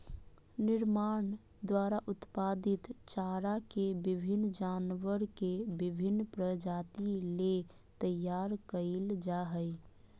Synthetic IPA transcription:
nɪɾmaːɳ | d̪waːɾaʔʊt̪paːd̪ɪt̪t͡ʃaːɾakebɪbʱɪnːd͡ʒaːnʋəɾkebɪbʱɪnːpɾəd͡ʒaːt̪ile | t̪əjːaːɾkəɪld͡ʒaɦəj

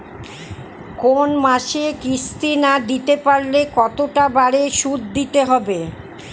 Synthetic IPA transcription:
konmaʃekɾist̪inad̪it̪epaɾlekɔt̪oʈabaɾeʃud̪̚d̪it̪eɦɔbe

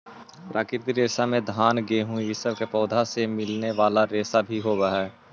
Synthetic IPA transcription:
pɾʔaːkɪɾt̪iɾeːsamẽd̪ʱaːnɡeɦʊ̃iɪsəbkepɔːd̪ʱasemɪlneʋaːlaɾeːsabʱiɦoːbaɦɛ

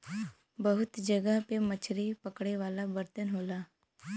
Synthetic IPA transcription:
bəɦʊt̪d͡ʒəɡəɦpemət͡ʃʰɾipəkɽeʋaːlabəɾt̪ənɦoːlaː

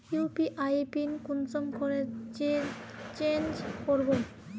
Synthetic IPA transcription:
jupiʔajpinkunsɔmkʰoɾeɾt͡ɕeɾt͡ɕend͡ʑkoɾbon

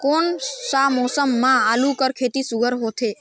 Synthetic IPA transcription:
konsamɔsəmːãalũkəɾkʰet̪isuɡʱəɾɦot̪ʰe

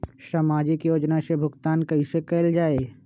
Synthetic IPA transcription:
samaːd͡ʒɪkjoːd͡ʒnasebʱʊɡt̪aːnkɐɦĩsekɛːld͡ʒaːeː

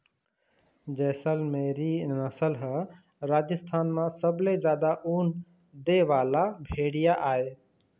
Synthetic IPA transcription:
d͡ʒɛːsəlmeɾinəsəlɦə | ɾaːd͡ʒəst̪ʰaːnmãsəbled͡ʒaːd̪aʔuːn | d̪eʋalabʱeɽijaʔae

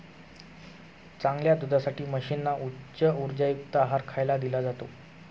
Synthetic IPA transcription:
t͡saŋɡljad̪ud̪ʱasaʈiːməɕiːnːaʔutːɕəuɾd͡ʑajuk̚t̪əaɦaɾkʰajlad̪ilad͡zat̪o

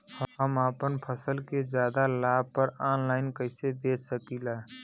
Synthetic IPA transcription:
hɦəmaːpənpʰəsəlked͡ʒjaːd̪alaːb̚pəɾaːnlaːɪnkəɪsebeːt͡ʃsəkilaː

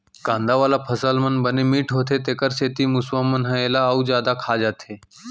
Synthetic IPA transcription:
ɡãːnd̪aʋaːlapʰəsəlmənbənemiːʈʰɦoːt̪ʰet̪eːkəɾseːt̪imʊswamənɦəeːlaəud͡ʒjaːd̪akʰaːd͡ʒaːt̪ʰeː

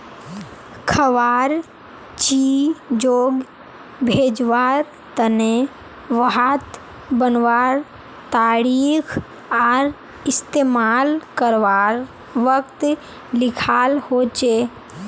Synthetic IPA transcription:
kʰəʋaːɾ | t͡ʃid͡ʒoːɡ | bʱeːd͡ʒʋaːɾ | t̪əne | ʋəɦat̪ | bənʋaːɾ | t̪aːɾiːkʰ | aːɾ | ɪst̪eːmaːlkəɾʋaɾ | ʋəkt̪ | lɪkʰaːlhoːt͡ʃeː

